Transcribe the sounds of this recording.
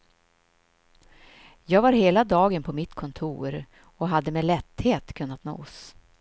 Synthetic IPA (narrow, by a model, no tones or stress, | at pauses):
jɑːɡvaɾɦeːlad̪ɑːɡənpʰɔmɪt̪kʰɔnt̪ʰṵːɾ | ɔɦad̪ːəmelɛt̪ːheːt̪kʰɵnːat̪no̰ːs